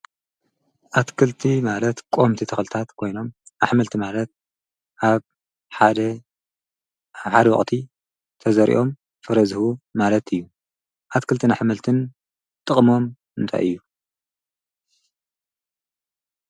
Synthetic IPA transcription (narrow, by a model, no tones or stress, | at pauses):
ʔat̪kʰɨlt̪ʰimalɐt̪kʼomt̪ʰit̪ʰɨxlɨt̪ʰat̪kʰo̞jno̞maħmɨlt̪ʰimalɐt̪̚ | ʔaβ | ħad̪ɐ | ħad̪wɔ̰χʼt̪ʰi | t̪ʰɐzɐɾḭʔo̞m | fɐɾɐzhumalɐt̪ʰɨjːu | ʔat̪kʰɨlt̪ʰɨnaħmɨlt̪ʰɨn | t̪ʼɨχʼmo̞m | ɨnt̪ʰa̰jʔɨ̰jːu